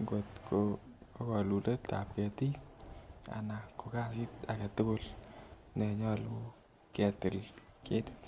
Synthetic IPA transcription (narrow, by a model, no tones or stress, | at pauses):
ŋɡotkʰokɔluleta̰p̚kɛti | a̰nakokasitakatʊkʊl | nɛɲɔlu | kɛtɪlketɪ̥t